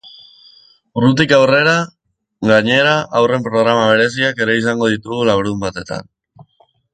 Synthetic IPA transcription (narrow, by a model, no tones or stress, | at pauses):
rut̪̬ikawre̞ɾa | ɣaɲe̞ɾaʔawre̞mpɾo̞ɣɾamaβ̞e̞ɾe̞s̬iake̞ɾe̞is̬aŋɡo̞ðit̪uɣulaβɾðumbat̪e̞t̪a̰n